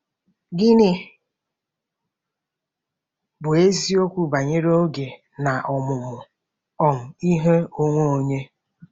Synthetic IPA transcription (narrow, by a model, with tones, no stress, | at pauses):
ɡɪ˦nɪ˨ | bʊ˨e˦zi˦o˦kʷu˦ba˨ɲe˦ɾo˦ɡe˨ | na˨ʔɔ˨mʊ˨mʊ˨ | ɔ˨m̩˨i˦ɦe˦o˦ŋʷo˦o˨ɲe˦